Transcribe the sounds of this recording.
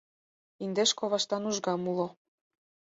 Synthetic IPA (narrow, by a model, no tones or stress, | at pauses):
ind̪eʃkoβɑʃt̪ɑnuʒɡɑmulo